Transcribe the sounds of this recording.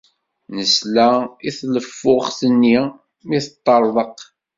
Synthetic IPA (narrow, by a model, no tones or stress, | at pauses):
nəslæiθləfːʊχθənːi | miθət̪ˤːɑɾˤðˤəq